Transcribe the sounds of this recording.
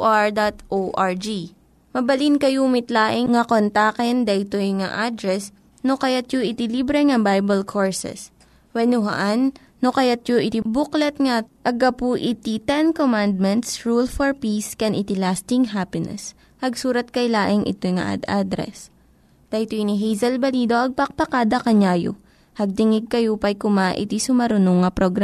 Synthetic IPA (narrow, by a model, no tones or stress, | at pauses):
aɹd̪at̪ʔoʔaɹd͡ʒi | mɐbɐlinkɐjuːmɪt̪laːʔɪŋŋɐkont̪akɛnd̪ɐjt̪ojŋa̰ʔad̪ɾɛs | nokɐjat̪̚joʔɪt̪ɪlibɾɛŋɐbajbɐlkʰoɹsɛ̰s | wɛnʊɦɐ̰ʔanː | okɐjat̪̚joʔɪt̪ibuklɐt̪̚ŋaʔɐɡɐpuʔɪt̪it̪ɛnkomand̪̚mɛnt̪sɹulfoɹpiskɛnʔɪt̪ilast̪ɪŋɦapɪnɛ̰s | hɐɡsuːɾɐt̪̚kɐjlaːʔɪŋʔɪ̰t̪ojŋɐ̰ʔa̰d̪ad̪ɾɛ̰s | t̪ɐjt̪oniɦɛjzɐlbɐliːd̪o̞ʔɐɡ̚pɐk̚pɐkaːd̪ɐkɐɲaːjo̰ | hɐɡ̚t̪ɪŋɪɡ̚kɐjopɐjkʊmaʔɪ̰t̪isʊmɐɾʊnoŋːɐpɾoɡɾa